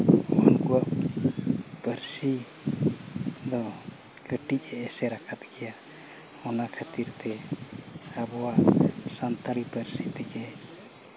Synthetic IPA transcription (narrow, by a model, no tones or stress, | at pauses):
ɔɔnkuwaʔ | pəɾsi | d̪ɔ | kəʈicɛːsɛɾakʰat̪̚ɡɛja | ɔnakʰat̪iɾt̪ɛ | abɔwaʔsant̪aɾipəɾsit̪ɛɡɛ